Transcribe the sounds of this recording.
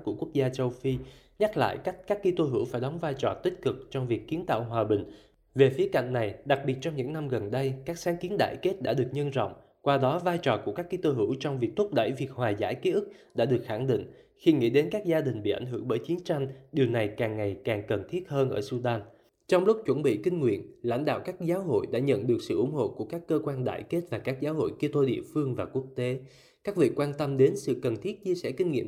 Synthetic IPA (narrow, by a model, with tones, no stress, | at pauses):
ku˧˩əku˦˥ək̚zaː˧t͡ɕə˧wfi˧ | ɲa˦˥k̚la̰ː˧˨jka˦˥k̟̚kaː˦˥kːi˧t̪o˧ɦɨ̰˧˥wfaː˧˩jɗɔ˨˦wŋ͡mvaː˧jt͡ɕɔ˨˩t̪ï˦˥k̟̚kɨ˨˩k̚t͡ɕɔ˧wŋ͡mvi˨˩əkːi˨˦ənt̪a̰ː˧˨wɦwaː˨˩ɓï˨˩ŋ̟ | ve˨˩fi˨˦əka̰˧˨jŋ̟na˨˩jɗa˨˩k̚ɓi˨˩ət̚t͡ɕɔ˧wŋ͡mɲɨ̰˧˥ŋna˧mɣə˨˩nɗə˧jkaː˦˥k̚saː˨˦ŋki˨˦ənɗa̰ː˧˨jke˦˥t̚ɗa̰ː˧˥ɗɨ˨˩ək̚ɲə˧nzɔ̰˧˨wŋ͡m | kwaː˧ɗɔ˨˦vaː˧jt͡ɕɔ˨˩ku˧˩əkaː˦˥kːi˧t̪o˧ɦɨ̰˧˩˥wt͡ɕɔ˧wŋ͡mvi˨˩ək̚t̪ʰʊ˦˥k͡p̚ɗə̰˧˩jvi˨˩ək̚hwaː˨˩za̰ː˧˥˩jki˨˦ʔɨ˦˥k̚ɗa̰ː˧˥ɗɨ˨˩ək̚xa˧˩ŋɗḭ˧˨ŋ̟ | xi˧ŋḭ˧˥ɗe˨˦nkaː˦˥k̚zaː˧ɗï˨˩ŋ̟ɓḭ˧˨ʔa˧˩jŋ̟ɦɨ˧˩əŋɓəː˧˩jt͡ɕi˨˦ənt͡ɕa˧jŋ̟ɗi˨˩əwna˨˩jkaː˨˩ŋːa˨˩jkaː˨˩ŋkə˨˩nt̪ʰi˦˥ət̚həː˧nʔəː˧˩su˧ɗaː˧n | t͡ɕɔ˧wŋ͡mlʊ˦˥k͡p̚t͡ɕwə˧˩nɓḭ˧˨kï˧ŋ̟ŋwḭ˧˨ənla̰˧˥jŋ̟ɗa̰ː˧˨wkaː˦˥k̚zaː˨˦wɦo̰˧˨jɗa̰ː˧˥ɲə̰˧˨nɗɨ˨˩ək̚sɨ̰˧˨ʔʊ˧˩˥ŋ͡mho̰˧˨ku˧˩əkaː˦˥kːəː˧kwaː˧nɗa̰ː˧˨jke˦˥t̚vaː˨˩kaː˦˥k̚zaː˨˦wɦo̰˧˨jki˧t̪o˧ɗḭ˧˨əfɨ˧əŋvaː˨˩ku˦˥ək̚t̪e˨˦ | kaː˦˥k̚vḭ˧˨kwaː˧nt̪ə˧mɗe˨˦nsɨ̰˧˨kə˨˩nt̪ʰi˦˥ət̚t͡ɕi˧əsɛ̰˧˩kï˧ŋ̟ŋḭ˧˨ə